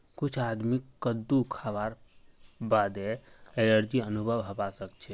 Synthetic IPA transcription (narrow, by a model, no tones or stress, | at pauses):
kut͡ʃʰad̪mikːəd̪ukʰabaɾ | bad̪eenəɾd͡ʒiənubʱəʋɦəbasəkt͡ʃʰɛ